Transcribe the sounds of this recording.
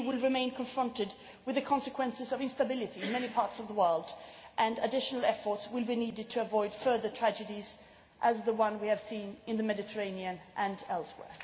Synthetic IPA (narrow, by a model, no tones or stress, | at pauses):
wɪlˠɹɨmẽɪ̃nkʰə̃ɱfɹʌ̃ntɨd̚ | wɨðɨkʰɑ̃nsɨkʰw̥ɛ̃nsɨzʌvɪ̃nstəbɪlˠɨɾiɨ̃nmɛñipʰɑɹtsʌvðəwɜ˞lˠdʔɨ̃nɨdɪʃn̩l̩ˠɛfə˞tswɪlˠbiniɾɨd̚tʰɨːvɔɪd̥fɜ˞ðə˞tʰɹ̥æd͡ʒɨɾiz | ʔɨzðəwʌ̃nwiɨv̥sĩnɨ̃nðɨmɛɾɨtʰə˞ẽɪ̃niɨ̃nʔɨ̃nɛlˠswɛ̰ɹ